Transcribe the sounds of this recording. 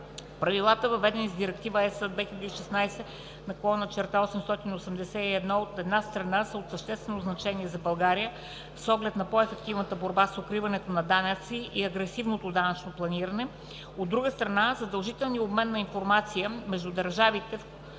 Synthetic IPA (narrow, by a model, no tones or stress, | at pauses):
pɾɐvilˠat̪əvɐvɛd̪ɛnizd̪iɾɛk̚t̪ivəɛsəd̪vɛxʲilʲɐəd̪əiʃɛsnajsɛ | nɐkˠɔnət͡ʃɛɾt̪aɔsɛmst̪ɔt̪inosɛmd̪ɛsɛiɛd̪nɔot̪ɛd̪nast̪ɾɐnasəot̪səʃt̪ɛst̪vɛnoznɐt͡ʃɛniɛzɐbɐlˠɡaɾijə | fsɔɡlɛt̪nɐpɔɛfɛkt̪ivnət̪əboɾbasokɾivɐnɛt̪onɐd̪anət̪siʔiɐɡɾɛsivnot̪od̪anɐt͡ʃnoplˠɐniɾənɛ | od̪ːɾuɡəst̪ɾɐnazəd̪ɐlˠʒit̪ɛlˠniobmɛnːɐinfoɾmat̪sijəmɛʒd̪ud̪ɐɾʒavit̪ɛf